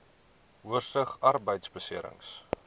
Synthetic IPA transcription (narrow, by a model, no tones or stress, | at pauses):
uərsəχɐrbəjtsbəsiəɾə̰ŋs